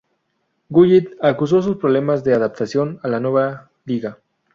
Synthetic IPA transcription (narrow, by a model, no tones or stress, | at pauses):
ɡuʝit̪akus̬o̞s̬uspɾoβle̞mazðe̞aðap̚t̪asjo̞nalanwe̞βa | liɣa